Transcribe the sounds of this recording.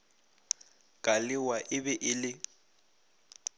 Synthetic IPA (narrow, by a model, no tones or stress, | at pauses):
kʼalɪwaʔɪbɛʔɪlɪ